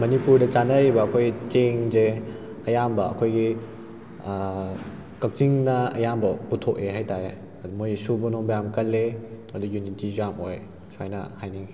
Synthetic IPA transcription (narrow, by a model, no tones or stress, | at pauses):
mɐnipuɾdɐt͡ʃanɐɾibɐːkʰojɡiteŋze | ɐjambɐɐ̰kʰojɡi | kɐk̚t͡ʃiŋnɐɐ̰jambɐputʰok̚eɦajtaɾe | ɐdumojsubunɔmbɐjamkɐlːe | ɐdujunitizamoj | sʰajnɐ̰hajni